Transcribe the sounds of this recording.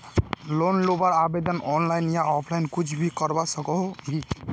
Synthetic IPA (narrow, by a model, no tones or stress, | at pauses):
lonlobaɾabed̪ɔnɔnlajnijaɔpʰlajnkut͡ʃʰbʱikɔɾbasɔkɔɦɦi